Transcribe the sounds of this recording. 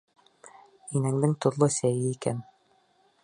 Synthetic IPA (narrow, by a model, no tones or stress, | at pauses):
inæŋd̪ɘŋt̪uɾlˠosæjɘikæn